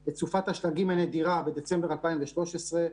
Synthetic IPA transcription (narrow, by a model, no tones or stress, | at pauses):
bet͡sufat̪haʃlaɡimaned̪iʁabed̪et͡sembeʁalpaimveʃlo̞ʃesʁe̞